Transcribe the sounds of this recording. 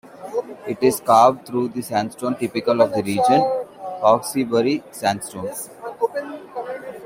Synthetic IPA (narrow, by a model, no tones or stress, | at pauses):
ɪʈɪzkaːb̚ɖ̚t̪ʰɾuːd̪isæ̃nsʈõːmʈɪpɪkəlɔʋd̪əɾiːd͡ʒə̃nkɔːksibəɾisæ̃nsʈõːn